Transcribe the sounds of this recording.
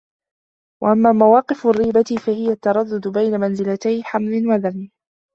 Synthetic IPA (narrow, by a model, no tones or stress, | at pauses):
waʔamːaːmawɑːqɪfrːiːbat̪ɪfahɪjat̪ːɑɾˤɑd̪ːʊd̪bajnamanzɪlat̪ajħamlɪnwaðamːɪ